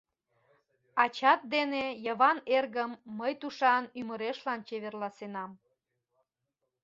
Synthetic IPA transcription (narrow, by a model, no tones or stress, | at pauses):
ɑt͡ɕɑt̪̚d̪enejəβɑnerɣəmːəjt̪uʃɑnyməɾeʃlɑnt͡ɕeβerlɑsenɑm